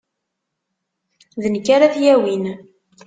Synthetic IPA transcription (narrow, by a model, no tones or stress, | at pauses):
ðənkːaɾaθjæwin